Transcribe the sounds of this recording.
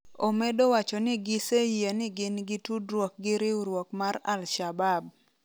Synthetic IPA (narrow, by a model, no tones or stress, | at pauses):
omɛdowat͡ʃɔnɪɡɪsejenɪɡɪnɡɪtudɾwɔk̚ɡɪɾɪuɾwɔkmaɾa̰lʃabab